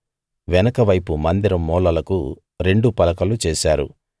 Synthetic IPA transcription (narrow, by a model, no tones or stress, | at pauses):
ʋɛnɐkɐʋɐjpumɐnd̪iɾɐmːɔːlɐlɐku | ɾe̞ɳɖupɐlɐkɐlut͡ʃɛːsaːɾṵ